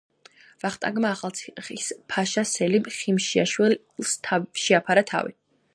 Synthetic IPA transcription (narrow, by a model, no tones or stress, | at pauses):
vaχt̪ʼa̰ɡmaːχalˠt̪sʰi̥χispʰaʃasɛlimχimʃia̰ʃwɛ | lsʰʃɛapʰaɾat̪ʰa̰vḭ